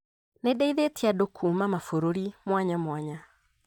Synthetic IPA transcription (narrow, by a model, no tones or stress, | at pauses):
nedaiðetiadokʰuːmamafoɾoɾimwaɲamwaɲa